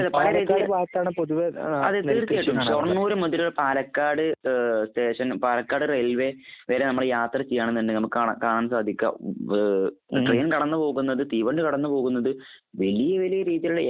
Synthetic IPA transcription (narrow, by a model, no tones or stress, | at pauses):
pɐlɐɾiːðiːʋaːt̪ːaːɳɨpoðuʋɐɐ̰ðet̪ːiːrt̪ijajiʈːumsorɐnnuːɾɨmɐðilɾɐɭpaːlɐkːaːɽɨst̪e̞ːʂɐnpaːlɐkːaːɽɨrelʋe̞ʋe̞ːɾenɐmːɐɽejaːt̪rɐt͡ɕːejːaːɳenːɐnːdenɐmːɐkːakaːɳaːnsaːd̪ʱikʲːa̰ | ʈreːnkɐɽɐnːɨpo̞ːɣunːɐðɨt̪iːʋɐɳɖɨkɐɽɐnːɨpo̞ːɣunːɐðɨ | ʋelijɐʋelijɐɾiːðijiluɭːɐ